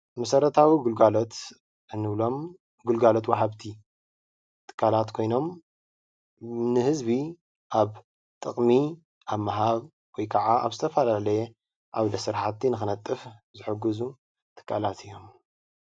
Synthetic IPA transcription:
mɐsɐɾɐt̪ʰawiɡulɡalo̞t̪ | ʔɨnːɨβlo̞m | ɡulɡalo̞t̪waɦaβt̪ʰi | t̪ʰʼɨ̥kʰːalat̪kʰo̞jno̞m | nɨhɨzbi | ʔaβ | t̪ʼɨχʼmi | ʔaβmːaɦaβ | wɔjkʰɐʕaʔa̰βzɨt̪ʰɐfɐlalɐje | ʔaβd̪ɐsɨɾħat̪ːinɨxɨnɐt̪ʼːɨfzɨħɨɡɨzu | t̪ʰʼɨ̥kʰːalat̪ʰɨjːo̞m

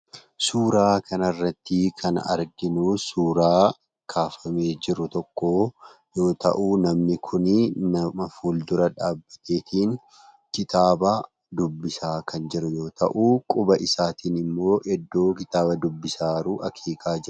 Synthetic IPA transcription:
suːɾaːkʰɐnɐrːɐt̪ːɪkʰɐnɐ̰ɾɡɪnuːsuːɾaː | kʰaːfɐme̞ːd͡ʒɪɾʊt̪ɔkːo̞ː | jo̞ːt̪ɐ̰ʔuːnɐmnɪkʰʊnɪnɐmɐfuːld̪ʊɾɐᶑaːbːɐt̪ʰe̞ːt̪ʰiːn | kɪt̪aːbɐ | d̪ʊbːɪsaːkʰɐnd͡ʒɪɾʊjo̞ːt̪ʰɐ̰ʔuːkʼʊbɐʔɪsaːt̪iːnɪmːo̞ːʔɛd̪ːo̞ːkɪt̪aːbɐd̪ʊbːɪsaːɾuːʔɐkʰiːkʼaːd͡ʒɪɾʊ

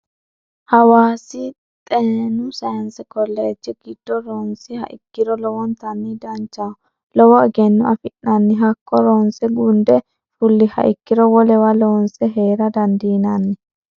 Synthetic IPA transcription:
hɐwaːsɪ | t̪ʼeːnʊsɐjɐnsɛkɔlːɛɛt͡ʃːɛɡid̪̥ːɔɾoːnsɪhɐ̰ʔɪ̰kːɪɾɔlɔwɔnt̪ɐnːɪd̪ɐnt͡ʃːa | lɔwɔɛɡɛnːʊɐfɪnːɐnːɪɦɐkʰːɔɾoːnsɛɡʊnd̪ɛ | fʊlːɪhɐ̰ʔɪkːɪɾɔwɔlɛwɐloːnsɛɦeːɾɐd̪ɐnd̪iːnɐnːɪ

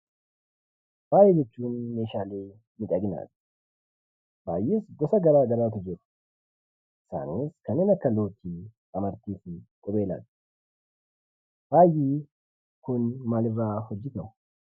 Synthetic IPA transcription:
ɾaːjɛd͡ʒɛt͡ʃːuːnːeːʃaːleː | mɪkʼɐɡɪna̰ːt̪ | baːjiːsɡɔsɐɡɐɾaːɡɐɾaːt̪ʊd͡ʒeːt̪ | ɪsa̰ːneːskɐneːnɐkːɐlo̞ːt̪ːiːkʼɐmɐɾt̪iːsɪkʼɔbeːla̰ːt̪ | ɾaːjiː | kʊnmaːlɪbɾaːhɔd͡ʒːɪt̪ɐ

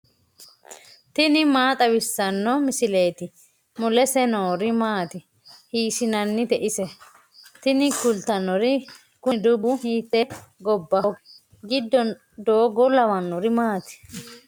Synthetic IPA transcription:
t̪ɪnɪmaːt̪ʼɐwɪsːɐnːɔmɪsɪle̞ːt̪ɪ | mʊlɛsɛnoːɾɪmaːt̪ɪ | hiːʃɪnɐnːɪt̪ɛʔɪsɛ | t̪ɪnɪkʊlt̪ɐnɔɾɪ | kʊd̪ʊbʊhiːt̪ːɛɡɔbːɐ | ɡɪd̪ːɔ | d̪oːɡɔlɐmɐnːɔɾɪmaːt̪ɪ̥

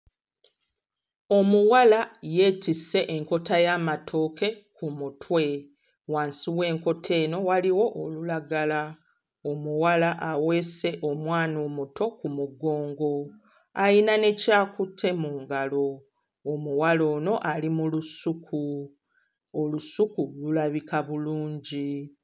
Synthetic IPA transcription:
o̞muwalaje̞ːtise̞ʔeŋko̞tajaːmatʰo̞ke̞kumutʰwe̞ | waːnsiwe̞ːŋko̞tʰe̞ːno̞waliwo̞ʔːlulaɡala | omuwalaʔawe̞ːse̞ʔomwaːno̞muto̞kumuɡo̞ːŋɡo̞ | ajinane̞caːkutʰe̞muːŋɡalo̞ː | muwalo̞ːno̞ʔalimulusukʰu | olusukululaβikaβuluːɲɟi

